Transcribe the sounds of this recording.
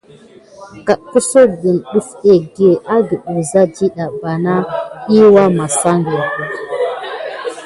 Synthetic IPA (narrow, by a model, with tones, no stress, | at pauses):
ka˨ʔku˦so˦bi˨nɗu˦fe˦˨ɡi˦e˨ʔa˦ɡi˨ɓu˨za˦d͡ʒi˦ɗa˨ba˨na˦i˦wa˦ma˨sa˦ŋɡe˨ku˨